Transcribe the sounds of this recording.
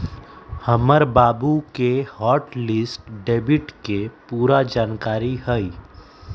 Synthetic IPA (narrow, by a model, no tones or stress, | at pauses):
həməɾbaːbukehɔːɾʈlɪsʈɖeːbɪʈkepuːɾad͡ʒaːnkaːɾihəi